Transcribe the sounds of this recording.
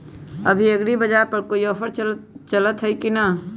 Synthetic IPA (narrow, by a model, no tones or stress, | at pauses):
ɐbʱiɐɡɽibɐd͡ʒaːpɐɾkoːiɔːfʰəɾt͡ʃɐlət̪ɦɛikina